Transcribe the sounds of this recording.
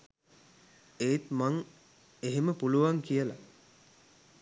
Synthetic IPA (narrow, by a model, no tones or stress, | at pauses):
eːt̪maŋ | eɦeməpuluʋaŋkijəla